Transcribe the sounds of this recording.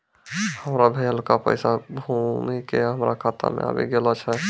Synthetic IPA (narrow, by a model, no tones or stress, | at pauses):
həmɾabʱeəlkapə̰jsabʱumikeɦəmɾakʰat̪ʰa̰mḛa̰bḭɡelɔt͡ʃʰɛ